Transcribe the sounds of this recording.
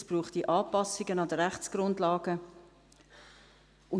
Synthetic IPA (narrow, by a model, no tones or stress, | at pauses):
sb̥ruːχtiʔɑːpɑsɪɡənɑdəɾɛχt͡sɡ̥rʊndlɑːɡə | ʊn